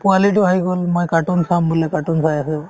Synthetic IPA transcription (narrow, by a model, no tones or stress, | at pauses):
pualitʊɦajɡɔlmojkaʈunsambulɛkaʈunsajasɛ